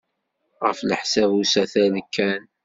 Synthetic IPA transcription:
ʁə̰fləħsævusæθæləkːæn

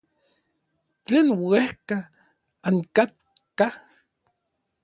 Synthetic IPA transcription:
t͡ɬeːnwehka | aŋkat̪̚ | ka

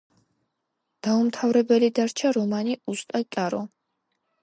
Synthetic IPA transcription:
d̪̥aumt̪ʰavɾɛbɛlid̪aɾt͡ʃʰaɾɔmaniust̪ʼat̪ʼaɾɔ

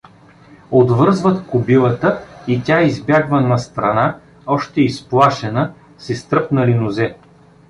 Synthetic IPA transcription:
od̪vɤɾzvət̪kʊbilˠət̪əit̪ʲaizbʲjaɡvənɐst̪ɾɐna | ɔʃt̪ɛisplˠaʃɛnə | sɛst̪ɾɤpnɐlinʊzɛ

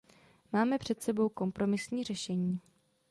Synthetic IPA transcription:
maːmɛpr̝̥ɛt̪sɛbo̞wko̞mpɾo̞mɪsɲiːr̝ɛʃɛɲiː

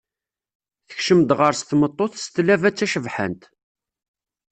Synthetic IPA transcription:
θə̥çʃəmd̪ʁəɾst̪mət̪ˤːoθst̪lævæt͡sːæʃəvħə̰nt̪

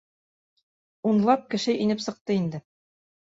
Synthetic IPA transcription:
unlˠɑp̚kɘ̆ʃɘʔinɘpsɤ̆q̚t̪ɤind̪ɘ

